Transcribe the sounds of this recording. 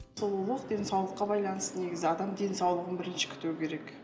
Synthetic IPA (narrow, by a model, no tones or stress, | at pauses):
olˠulˠəqd̪e̞nsɑwlˠəqːɑbɑjlˠɑnəst̪əne̞ɡʲɪzɪɑd̪ɑmd̪ʲe̞nsɑwlˠəʁənbɪɾɪnʃɪ̥kʲʰʏ̥t̪uwɪkʲʰe̞ɾek